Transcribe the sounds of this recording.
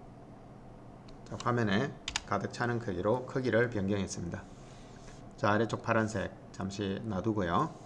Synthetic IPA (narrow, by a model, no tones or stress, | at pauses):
t͡ɕakwamjʌne̞kadɯk̚t͡ɕʰanɯŋkʰɯɡiɾokʰɯɡiɾɯɭpjʌŋɡjʌŋɦe̞s͈ɯmɲida | t͡ɕaɾet͡ɕ͈ʰok̚pʰaɾansʰe̞k̚t͡ɕamɕʰinaduɡojo